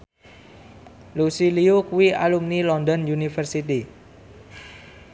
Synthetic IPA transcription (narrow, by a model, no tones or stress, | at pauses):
lusiliukuwia̰lumnilɔnd̪ɔnjunifərsit̪i